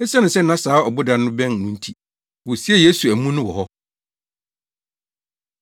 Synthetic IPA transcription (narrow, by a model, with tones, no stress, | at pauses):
ɛ˦sɛ˦nʊ̃˨sɛ˦n̩˦nã˦saː˨˦ɔ˨bʊ˦da˨˦nʊ̃˦bɛ̃˦n˨nʊ̃˦n̩˦tʰi˨ | wʊ˨si˦ɛ˦˨je˦su˨æ˨mũ˦nʊ̃˦wɔ˨hɔ˦